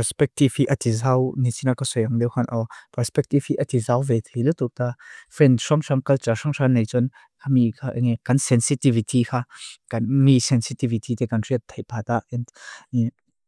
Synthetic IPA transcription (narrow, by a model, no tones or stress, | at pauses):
pɛspɛk̚tivhiʔɐt̪izawnisinakasɔjɐŋlɛwkʰanʔɔpɛɾspɛk̚t̪ivhiʔɐt̪izawvɛt̪ʰlilut̪uk̚t̪afɾɛndʂɔŋsɐmkɐlt͡ʃaʂɔŋsanːejt͡sun | kʰamikʰaʔŋɛkɐnsɛnsit̪ivit̪ʰikʰaːkɐnmisɛnsit̪ivit̪it̪ɛkɐnriət̪ʰːejpʰat̪aʔɛnd